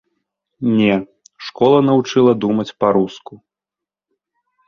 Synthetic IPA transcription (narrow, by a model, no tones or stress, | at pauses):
nʲɛ | ʂkɔlˠɐnɐvut͡ʂɨlˠɐd̪umɐt͡sʲpɐɾusku